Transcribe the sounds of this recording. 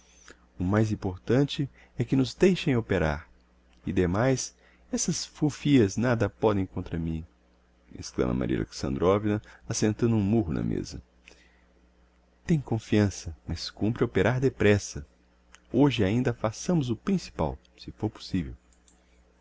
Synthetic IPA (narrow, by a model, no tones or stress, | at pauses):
ʊmajzĩpoɾt̪ɐ̃t͡ʃɪ | ɛkɪnʊzd̪ejʃẽj̃opeɾa̰ɾ | ɪd̪emajs | ɛsɐsfufiɐznad̪ɐpɔd̪ẽj̃kõnt̪ɾɐmĩ | ḛsklɐ̰̃mɐ̰ma̰ɾḭɐ̰lʔḛksɐ̰̃nd̪ɾɔvinɐasẽnt̪ɐ̃d̪uũmuɦʊnɐ̰mḛzɐ̰ | t̪ẽj̃kõfiɐ̃sɐmɐskũmpɾɪopeɾaɾd̪epɾɛsɐ | oʒɪaĩnd̪ɐfasɐ̃mʊzʊpɾĩsi̥pa̰w | sɪfoɾpo̥sivew